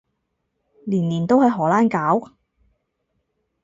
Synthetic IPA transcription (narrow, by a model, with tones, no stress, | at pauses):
liː˨˩nliː˨˩nt̪o˥whɐ˨˧jɦɔː˨˩laː˥nkaː˨˥w